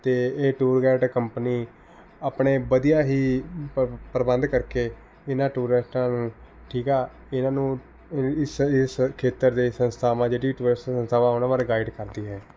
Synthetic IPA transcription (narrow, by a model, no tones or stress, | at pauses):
t̪eːeːʈuːɾɡɛːʈkəmpəniː | aːpɳeːʋəd̪ijaːɦiː | pəɾəbənd̪kəɾkeː | ɪnãːʈuːɾɪsʈãːnũː | ʈʰiːkaː | ɪnãːnũː | ɪsɪskʰeːt̪əɾd̪eːsənst̪ʰaːmãːd͡ʒeːɖiːʈuːɾɪsʈːsə̃nst̪ʰaːʋãonaːʋaːɾeɡaːiɖkəɾd̪iːɦɛː